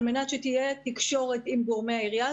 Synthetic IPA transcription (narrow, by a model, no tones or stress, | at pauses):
menat̪ʃet̪ijet̪ikʃo̞ʁet̪imɡoʁmeaiʁija